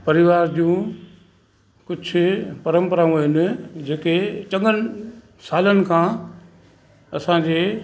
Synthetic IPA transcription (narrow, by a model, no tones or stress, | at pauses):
pɐɾɪʋaːɾd͡ʑũ | kʊd͡ʑʱʊpɐɾə̃mpəɾaũɦɦɪnɪ̆d͡ʑeːket͡ɕɐ̃ŋɡənɪ | saːlənɪ̆kʰãː | ɐsãɲd͡ʑeː